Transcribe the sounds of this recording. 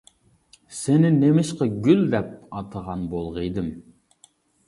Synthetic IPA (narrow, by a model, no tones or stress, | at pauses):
senɪnemɪʃqɑɡʲyld̪ɛp̚ɑt̪ʰəʁɑnbolˠʁəjd̪ɨm